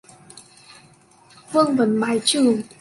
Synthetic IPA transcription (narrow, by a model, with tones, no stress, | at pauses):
vɨ˧əŋvə˨˩˦nɓaː˨˩jt͡ɕɨ˨˩əŋ